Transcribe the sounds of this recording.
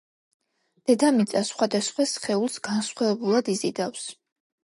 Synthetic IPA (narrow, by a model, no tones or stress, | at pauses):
d̪̥ɛd̪amit̪sʼasχwad̪asχwasχɛulˠsɡ̥ansχwɛvɛbulˠad̪izid̪afs